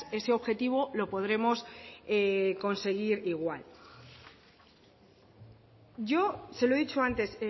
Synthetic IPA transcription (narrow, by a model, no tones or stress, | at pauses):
e̞se̞o̞βxe̞t̪iβ̞o̞lo̞po̞ðɾe̞mo̞seko̞nse̞ɣ̞iɾiɣwal | ʝo̞se̞loeðit͡ʃoant̪e̞se